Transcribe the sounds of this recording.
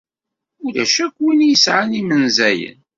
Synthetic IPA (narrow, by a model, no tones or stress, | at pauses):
ulæʃækːwinjəsʕanimənzæjə̰n